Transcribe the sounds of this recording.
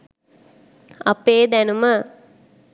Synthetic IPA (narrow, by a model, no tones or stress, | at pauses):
ɐpeːd̪ænumə